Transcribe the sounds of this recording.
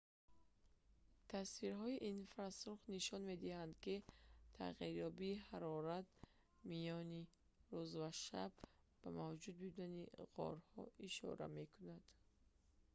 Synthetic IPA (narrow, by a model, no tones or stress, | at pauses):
t̪ʰasfiɾɦɔiʔinfɾasuχniʃɔnme̞d̪ihand̪kit̪ʰa̰ʁiɾjɔbiːɦaɾɔɾat̪̚ | mijɔni | ɾuzvaʃa̰b̚ | b̥amavd͡ʒud̪̚bud̪aniʁɔ̰ɾhɔ̰iʃɔ̰ɾa̰me̞kʰunad̪̥